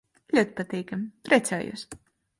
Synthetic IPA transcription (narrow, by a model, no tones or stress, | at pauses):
lʲuɔt̪̚ʲpat̪ʲɛjkamʲpɾʲɛt̪sʲaːjṵs